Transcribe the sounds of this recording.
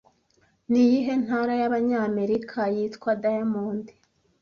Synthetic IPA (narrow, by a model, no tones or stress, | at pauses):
nijiɦe̞n̥haɾajaβaɲame̞ɾikʰajiːtkwadajamuːndi̥